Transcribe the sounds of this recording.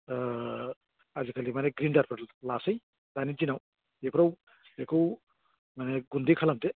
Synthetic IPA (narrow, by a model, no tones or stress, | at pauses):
azikʰalimanɛɡɾindaɾpʰaɾlasɯj | danizinaw | epʰɾaw | ekʰuw | maneɡund̪ikʰalamte